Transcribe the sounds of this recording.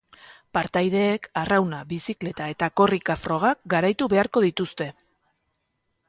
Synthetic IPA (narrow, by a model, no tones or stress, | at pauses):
paɾt̪ajð̞e̞ːkarawnaβisikle̞t̪ae̞t̪ako̞rikafɾo̞ɣ̞ak̚ɡaɾajt̪uβe̞aɾko̞ðit̪ust̪e̞